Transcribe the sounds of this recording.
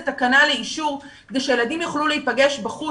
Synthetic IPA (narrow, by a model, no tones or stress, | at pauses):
etakanaleiʃuʁ | kd̪ejʃeje̞ladimjuχluleipaɡe̞ʃbaχu